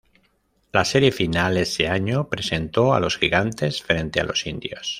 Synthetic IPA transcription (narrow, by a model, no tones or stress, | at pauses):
laseɾje̞finaleseaɲopɾe̞se̞nt̪o̞a̰lo̞sxiɣ̞ant̪e̞sfɾe̞nt̪ea̰lo̞sind̪jos